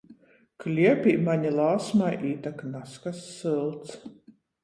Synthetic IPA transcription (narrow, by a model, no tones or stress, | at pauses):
klʲiɛpʲiːmaɲilˠaːsmajʔiːt̪aknaskasːɨlˠt̪s